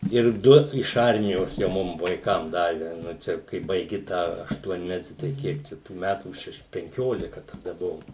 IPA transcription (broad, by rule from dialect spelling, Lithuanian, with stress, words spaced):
ɪr ˈdʊ ɪʃ ˈɐrʲmʲɪjoːs jɛʊ ˈmʊm ʋɐɪˈkɐm ˈdɑːʋʲɛ ˈnʊ ˈt͡ʃʲɛ kɐɪ bɐɪˈɡʲɪ ˈtɑː ɐʃˈtuɔnʲmʲɛtʲɪ tɐɪ ˈkʲiɛk t͡ʃʲɛ tuː ˈmʲætuː ˈʃʲɛʃ pʲɛŋʲˈkʲoːlʲɪkɐ tɐˈdɐ ˈbʊʋoːm